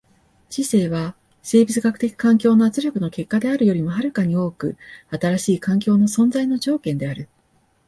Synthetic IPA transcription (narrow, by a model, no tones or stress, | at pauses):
t͡ɕise̞ːβ̞a | se̞ːbʲit͡sɨɡakɯ̟̥t̪e̞kʲi̥kãŋkʲo̞ːno̞at͡sɨɾʲokɯ̟no̞ke̞kːad̪e̞aɾɯ̟jo̞ɾʲimo̞ɦaɾɯ̟kaɲ̟io̞ːkɯ̟̰at̪aɾaɕiːkãŋkʲo̞ːno̞sõ̞nd͡zaino̞d͡ʑo̞ːkẽ̞nd̪e̞aɾɯ̟